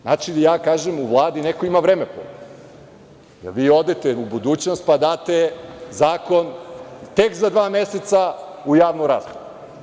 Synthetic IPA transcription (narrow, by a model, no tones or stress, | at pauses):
nat͡ʃid̪ijaːkaːʒemuʋlˠaːd̪inekoimaʋɾeːmepo̰ | jḛɾʋiːo̞d̪et̪eubud̪uːt͡ɕnost̪̚pad̪aːt̪ezaːko̞nt̪ekzad̪ʋaːmeset̪sa | ujaːʋnuɾa̰zɡobuu